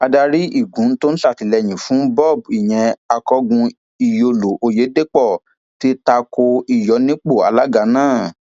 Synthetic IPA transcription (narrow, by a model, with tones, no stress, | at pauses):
a˧da˧ɾi˦i˦˨ɡũ˨˦n̩˦to˦n̩˦ʃa˦˨ti˨˦lɛ˧˨j̃ĩ˨fũ˨˦bɔ˦˨b̚i˨j̃ɛ̃˨a˧kɔ˧˦ɡũ˧ | i˨jo˧lo˨ʔo˧je˨˦de˦k͡pɔ˦˨ | ti˦ta˧ko˧i˨jɔ˨˦nĩ˦k͡po˦˨a̰˧la˦ɡa˧˦nãː˦˨